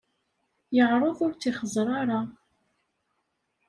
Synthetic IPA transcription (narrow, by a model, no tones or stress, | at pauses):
jəʁɾˤəðˤʊɾt͡sːiχəzˤɾˤɑɾˤɑ